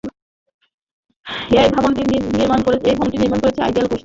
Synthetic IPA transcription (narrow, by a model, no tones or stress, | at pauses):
ejbʱabonʈiniɾmankoɾet͡ɕʰejbʱabonʈiniɾmankoɾet͡ɕʰea̰jɖialkoʃ